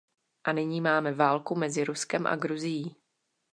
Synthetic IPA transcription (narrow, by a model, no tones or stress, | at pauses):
ʔanɪɲiːmaːmɛvaːlkumɛzɪɾuskɛmʔa̰ɡɾuzɪjiː